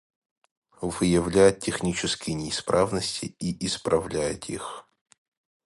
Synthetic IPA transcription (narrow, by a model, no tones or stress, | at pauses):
vɨjɪvlʲæjɪt̪̚ːʲɪxnʲit͡ɕɪskʲɪjnʲɪːspɾʔavnəsʲtʲɪiʔɪspɾʔɐvlʲæjɪ̰t̪ḭx